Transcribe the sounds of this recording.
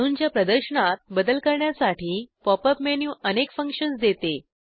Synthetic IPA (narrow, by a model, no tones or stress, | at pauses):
ə̃uːnd͡ʑjapɾəd̪əɾɕəɳat̪̚bəd̪əlkəɾɳjasaʈiːpɔpəpmenjuːənekfəŋkʂənsd̪et̪e